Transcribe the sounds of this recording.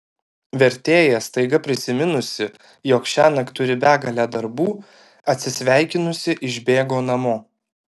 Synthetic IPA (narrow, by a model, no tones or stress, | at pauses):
ʋʲɛɾʲt̪ʲeːjɛst̪ɐɪɡɐpʲɾʲɪsʲɪmʲɪnʊsʲɪ | joːkʃʲæːnɐkt̪ʊɾʲɪbʲæːɡɐlʲæːd̪ɐɾbuː | ɐt̪ʲsʲɪsʲʋʲæˑɪkʲɪnʊsʲɪʔɪʒʲbʲeːɡoːnɐmoː